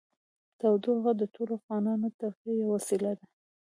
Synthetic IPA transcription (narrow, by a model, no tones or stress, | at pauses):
t̪awd̪ohaɣad̪ətoloafɣɑnɑnot̪axijawasilad̪a